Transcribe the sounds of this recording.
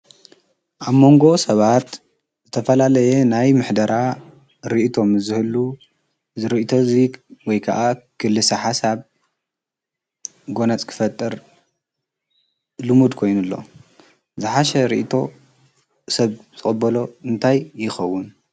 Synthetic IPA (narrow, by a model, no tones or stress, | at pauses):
ʔaβmo̞ŋɡo̞sɐβat̪ | zɨt̪ʰɐfɐlalɐjenajmɨħd̪ɐɾa | ɾiʔit̪ʰo̞mɨzɨhɨlu | zɨɾiʔit̪ʰo̞ziwɔjkʰaʔakʰɨlːɨsɐħasaβ | ɡo̞nɐt͡sʼkʰɨ̥fɐt̪ʼːɨɾ | lɨmud̪kʰo̞jnulːo̞̰ | zɨħaʃɐɾḭʔit̪ʰo̞ | sɐβz̥ɨχʼɨbɐlo̞ɨnt̪ʰajːɪxɐwːʊn